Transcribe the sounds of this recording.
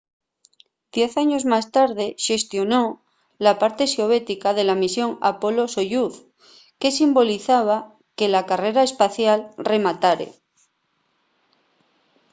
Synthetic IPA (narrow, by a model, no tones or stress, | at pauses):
d̪̥je̞θaɲo̞zmast̪aɾð̞e̞ʃe̞st̪jo̞no | lapaɾt̪e̞sjoβ̞e̞t̪ikað̞e̞lamisjo̞ŋa̰po̞lo̞soʎuθ | ke̞simbo̞liθaβ̞a | ke̞lakare̞ɾae̞spaθjalre̞mat̪aɾḛ